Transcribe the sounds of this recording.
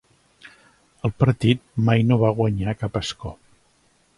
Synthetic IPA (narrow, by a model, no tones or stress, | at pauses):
əlˠpəɾt̪it̪̚majnoβaɣwəɲakapəskɔ